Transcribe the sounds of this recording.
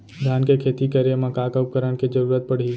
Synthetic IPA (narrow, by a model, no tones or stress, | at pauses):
d̪ʱjaːnkekʰeːt̪ikəɾjəmãkaːkəp̚kəɾəɽ̃ked͡ʒəɾuɾət̪̚pəɽ̤iː